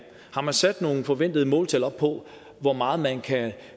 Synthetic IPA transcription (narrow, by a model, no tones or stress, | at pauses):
hɑ̈mænsæd̥no̝ːn̩fɒ̽ʋen̰d̥ð̞̩ˠəmɔ̽ːlt͡sʰelɐɒ̽b̥ʰɒ̽ | ʋɒmɑ̈ːð̞̩ˠmænkʰæ